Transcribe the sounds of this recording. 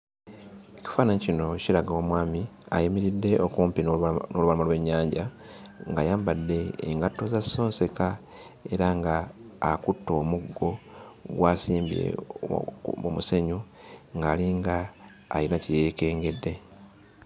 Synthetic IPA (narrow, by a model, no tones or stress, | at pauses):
eci̥faːnaɲicino̞cilaɡawomwaːmia̰jimiɾidːe̞ʔokuːmpinnoluβalamalwe̞ɲːaːɲɟa | ŋɡajaːmbadːe̞̰ːŋɡatːo̞zaso̞ːnse̞ka | e̞ɾaŋɡaːkutːo̞ːmuɡːo̞ɡwaːsiːmbiḛ | o̰muse̞ɲu | ŋɡaːliŋɡa̰ː | jinacijeke̞ːŋɡe̞dːe̞